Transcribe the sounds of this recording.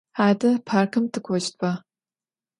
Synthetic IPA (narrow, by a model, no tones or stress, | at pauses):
aːdɐpʰaːrkʰɨmtʰɨkʷʰɔt͡ʃt̚pʰa